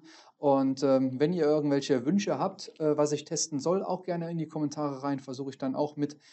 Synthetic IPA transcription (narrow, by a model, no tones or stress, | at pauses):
ʔʊntʔɛːmvɛniːɐʔɪɐɡŋ̩tv̥ɛlçəvʏnʃəɦaːp̚tʔɛːvasɪçtʰɛstn̩zɔla̰ʊxɡ̥ɛɐnəɪndiːkʰɔmɛntʰaːʁəʁaɪnfɛɐzuːxəɪçd̥ana̰ʊxmɪt